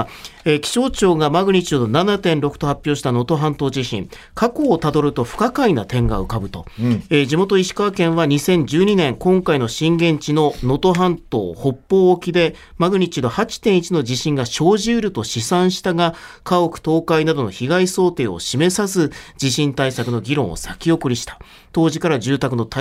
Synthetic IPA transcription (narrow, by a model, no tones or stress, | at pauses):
ekʲi̥ɕo̞ːt͡ɕo̞ːɡamaɡɯ̟ɲ̟it͡ɕɨːd̪onanat̪ẽ̞nɾo̞kɯ̟̥t̪o̞ɦapʲːjo̞ːɕi̥t̪ano̞t̪o̞ɦãnt̪o̞ːʑiɕḭ̃ŋ | kako̞ːt̪ad̪o̞ɾɯ̟t̪o̞ɸɯ̟̥kakainat̪ẽ̞ŋɡa̰ɯ̟kabɯ̟t̪o̞ed͡ʑimo̞t̪o̞iɕi̥kaβakẽ̞ɰ̃βaɲ̟isẽ̞ɲ̟d͡ʑɨːɲ̟inẽ̞ŋkõ̞ŋkaino̞ɕĩŋɡẽ̞ɲt͡ɕino̞no̞t̪o̞ɦãnt̪o̰ːho̞pːo̞ːkʲid̪e̞ | maɡɯ̟ɲ̟it͡ɕid̪o̞hat͡ɕi̥t̪ẽ̞ɰ̃it͡ɕino̞d͡ʑiɕĩŋɡaɕo̞ːʑɨːɾɯ̟t̪o̞ɕisãɰ̃ɕi̥t̪aɡakaokɯ̟̥t̪o̞ːkainad̪o̞no̞çiɡaiso̞ːt̪e̞ːo̞̰ɕime̞sasɨd͡ʑiɕĩnt̪aisakɯ̟no̞ɡʲiɾõ̞ɰ̃o̰sakʲio̞kɯ̟ɾʲiɕi̥t̪ḁ | t̪o̞ːʑikaɾad͡ʑɨːt̪ak̬ɯ̟no̞t̪